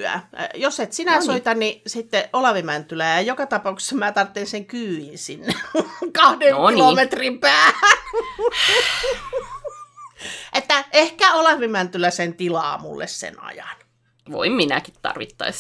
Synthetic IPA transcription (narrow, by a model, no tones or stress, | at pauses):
æ̰joset̪sinæsoit̪ɑnnisit̪ːeolɑʋemænt̪ylæjɑjokɑt̪ɑpɑukse̥sːɑmæːt̪ɑrt̪ːenseŋkyːinsinːekɑhdeŋnkoilomet̪rimpæːæ | ʔet̪ːæehkæolɑʋemænt̪ylæsent̪ilɑ̰ːmṵlːḛssḛnɑ̰jɑn | ʋo̰imminæ̰kit̪t̪ɑ̰rʋit̪ːɑ̰is